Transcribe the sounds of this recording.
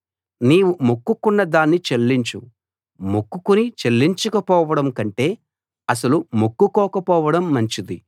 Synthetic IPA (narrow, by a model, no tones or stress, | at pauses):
niːwumukːukunːɐd̪aːnːit͡ʃelːiɲt͡ʃu | mukːukunit͡ʃelːiɲt͡ʃukɐpɔːʋɐɽɐmkɐɳʈe̞ː | ɐs̬ɐlumukːukɔːkɐpɔːʋɐɽɐmːɐɲt͡ʃid̪i